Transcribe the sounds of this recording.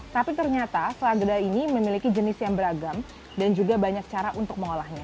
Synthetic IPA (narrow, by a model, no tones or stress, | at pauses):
t̪apit̪ərɲat̪asəlaɡədainiməmilikid͡ʒənɪsjaŋbəɾaɡam | dand͡ʒuɡabaɲak̚t͡ʃaɾaʔunt̪ʊk̚məŋolahɲa